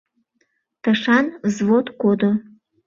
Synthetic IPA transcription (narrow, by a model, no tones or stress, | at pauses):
t̪əʃɑnzβot̪kod̪o